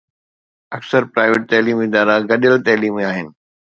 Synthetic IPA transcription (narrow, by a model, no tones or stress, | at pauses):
ɐksəɾpɾaːɪʋeʈ̚t̪ɛːliːmɪd̪aːɾaɡɐɗəlt̪ɛːliːmeaːɦɪnɪ̆